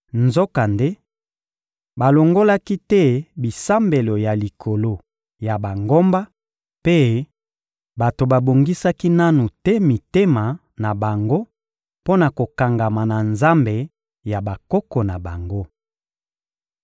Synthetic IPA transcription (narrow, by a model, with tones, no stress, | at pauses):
nzo˦ka˨nde˦ | ba˨lo˨ŋɡo˦la˦ki˦tɛ˦bi˨sa˦mbe˨lo˨ja˨li˨kʰo˨lo˦ | ja˨ba˨ŋɡo˦mba˦ | pe˦ | ba˨to˨ba˨bo˨ŋɡi˦sa˦ki˦na˦nu˨tɛ˦mi˨te˦ma˨ | na˨ba˨ŋɡo˦ | po˦na˨ko˨ka˨ŋɡa˨ma˨na˨nza˦mbe˨ | ja˨ba˨kɔ˦kɔ˨na˨ba˨ŋɡo˦